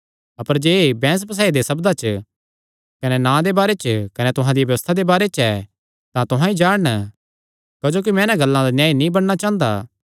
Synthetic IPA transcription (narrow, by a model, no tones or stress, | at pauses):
ɐpəɾd͡ʒeːbɛ̃ːs̬pɐs̬aːid̪esɐbd̪at͡ʃ | kɐnɛnãːd̪ebaːɾet͡ʃkɐnɛt̪ʊɦãd̪ijaʋjɐʋəst̪ʰad̪ebaːɾet͡ʃɛ | t̪ãt̪ʊɦãid͡ʒaːɽn | kɐd͡ʒoːk̬imɛ̃ːnãɡɐlːãd̪anjaːinĩbɐɽnat͡ʃãːnd̪a̰ː